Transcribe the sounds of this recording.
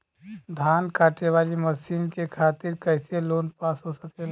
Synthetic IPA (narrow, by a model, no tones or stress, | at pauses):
d̪ʱankaːʈeʋaːliməsinkekʰaːt̪ɪɾkəɪseloːnpasɦosəkel